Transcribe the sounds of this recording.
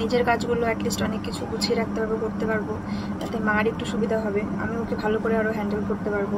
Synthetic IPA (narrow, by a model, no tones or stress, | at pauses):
nid͡ʑeɾkad͡ʑɡuloɛʈlisʈɔnekːit͡ɕʰuɡut͡ɕʰieɾak̚t̪ebʱabekoɾt̪epaɾbod͡ʑat̪emaɾek̚ʈuʃubid̪ʱaɦɔbea̰miokebʱalokoɾeaɾoɦɛɳɖelkoɾt̪epaɾbo